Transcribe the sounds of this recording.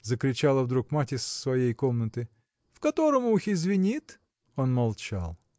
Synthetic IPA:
zəkɾʲɪt͡ɕalˠəvd̪ɾukmatʲɪsːvɐjejkomnət̪ɨ | fkɐt̪oɾəmʊixɪzvʲɪnʲit̪ | onmɐlˠt͡ʃa̰lˠ

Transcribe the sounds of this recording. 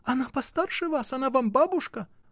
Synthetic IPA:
ɐnapɐst̪arʂɨvasɐnavambabuʂkɐ

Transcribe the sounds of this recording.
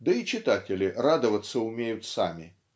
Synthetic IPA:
d̪əit͡ʃɪt̪atʲɪlʲɪrad̪əvət̪sːəʊmʲejʊt̪sa̰mʲi

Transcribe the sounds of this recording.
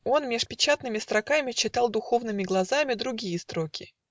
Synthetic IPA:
o̞nmʲɪʂpʲɪt͡ɕat̪nɨmʲɪst̪ɾɐkamʲɪt͡ɕːɪt̪ɑlˠd̪ʊxo̞vnɨmʲɪɡlˠɐzamʲɪd̪ɾʊɡʲijəst̪ɾo̞kʲɪ

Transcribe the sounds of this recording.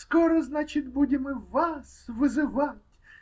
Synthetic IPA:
skɔɾɔznat͡ʃɪtʲbudʲɪmɪʋasʋɪzɪʋɑtʲ

